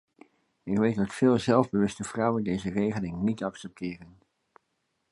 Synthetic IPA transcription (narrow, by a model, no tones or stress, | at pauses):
ɪkʋejtdɑtfɪːlˠzɛlˠvbəʋɵstəv̥rʌwəndejzərejχəlɪŋnitɑksɛp̚tɪːrən